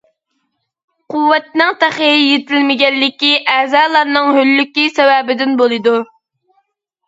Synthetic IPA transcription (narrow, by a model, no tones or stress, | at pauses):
qʊwːɛt̪̚nɨŋt̪æχejet̪ʰɪlmɪɡʲɛnːɪkʲiʔɛzɑːlˠɑɾnɨŋhølːykʲisɛwɛbɪd̪ɪnbolˠɨd̪u